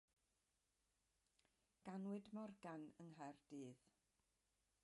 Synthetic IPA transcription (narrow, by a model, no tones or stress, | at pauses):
ɡ̥anwɪdmɔrɡanəŋɦɛrd̥iːð